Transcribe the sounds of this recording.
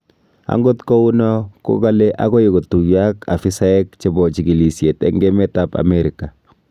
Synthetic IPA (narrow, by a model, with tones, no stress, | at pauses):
a̰˨˦ŋɡo˦tko˦u˦nɔ˦ko̰˦ka˦le˦ʔa̰˦ɡɔ˦ji˨ɡo˨tu˨ja˦ka̰˨fi˦sa˦ɛ˦kt͡ʃe˨bɔ˨t͡ʃi˨ɡi˨li˨sje˨tɛ̰˦ŋɡe˦mɛ˦ta˦pa̰˨mɛɾi˨ka˨